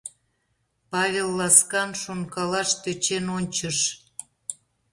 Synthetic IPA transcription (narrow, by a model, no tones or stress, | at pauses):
pɑβʲelˠːɑskɑnʃonkɑlɑʃt̪øt͡ɕenonʲt͡ɕəʃ